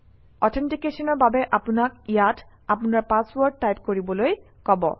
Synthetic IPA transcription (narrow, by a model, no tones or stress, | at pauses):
ɔtʰentikesɔnɔɹbabɛʔapunakijat | apunaɹpaswɔɹd̚tajpkoɹibɔloj | kɔbɔ̰